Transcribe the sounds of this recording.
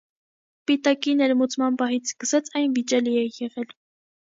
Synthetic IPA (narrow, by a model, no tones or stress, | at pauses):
pit̪ɑkinɛɾmut͡sʰmɑnpɑɦit͡sʰskəsɑt͡sʰɑjnvit͡ʃɛliɛjɛʁɛl